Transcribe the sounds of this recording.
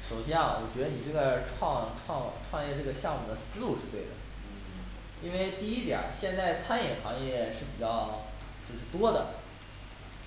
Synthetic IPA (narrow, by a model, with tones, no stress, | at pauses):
ʂo˨˩ʊɕjɛ˥nwɔ˨˩t͡ɕɥɛ˧˥d̪ə˧ni˨˩ʈ͡ʂɤ˥˩ɡə˩ʈ͡ʂʰwɑ˥˧ŋʈ͡ʂʰwɑ˥˧ŋʈ͡ʂʰwɑ˥˧ŋjɛ˥˧ʈ͡ʂɤ˥˩ɡə˩ɕjɑ˥˧ŋmu˨˩d̪ə˦sɹ̩˥lu˥˧ʂɻ̩˥˧t̪we˥˩ɪd̪ə̰˩ | i˥nwe˥˧ɪt̪i˥˩i˥t̪jɑ̰˨˩˦ɕjɛ˥˧nt͡sa˥˩ɪt͡sʰa˥njɛ˨˩xɑ˧˥ŋjɛ˥˧ʂɻ̩˥˩pi˨˩t͡ɕjɑ˥˧ʊ | t͡ɕjo˥˧ʊʂɻ̩˥˩t̪wɔ˥d̪ə̰˨